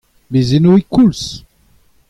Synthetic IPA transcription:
bizinuwikːuls

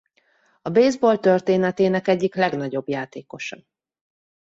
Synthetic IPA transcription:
ɒbeːzbolt̪ørt̪eːnɛt̪eːnɛkɛɟːiklɛɡn̪ɒɟo̞bjaːt̪eːko̞ʃɒ

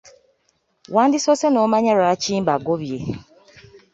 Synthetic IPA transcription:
wandisosenɔmaɲaɾat͡ʃimbaɡoβie

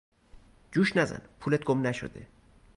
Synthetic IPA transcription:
d͡ʒuːʃnæzæ̰npʰulet̪̚ɡ̥omnæʃo̰d̪ḛ

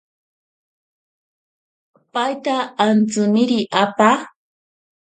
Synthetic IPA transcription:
pajt̪aːnt͡sʊnɪɾiʔapa

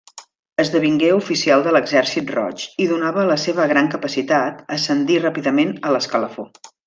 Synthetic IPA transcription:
əzðəβiŋɡeufisialˠd̪ələɡzɛɾsit̪̚rɔ̰t͡ʃiðunaβələseβ̞əɣɾaŋkəpəsit̪at̪əsənd̪irapiðəmenələskələfo

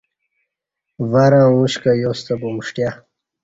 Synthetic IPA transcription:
vaɾãːuɕkajowst̪akomuʂʈja

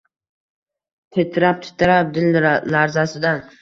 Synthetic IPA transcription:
t̪ʰet̪ʰɪɾap̚t̪ʰɪ̥t̪ʰɪɾap̚d̪ɪllaɾzasɪd̪an

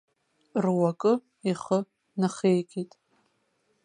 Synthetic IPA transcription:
rwakʼɨ | iχə | naχejkʲʼitʼ

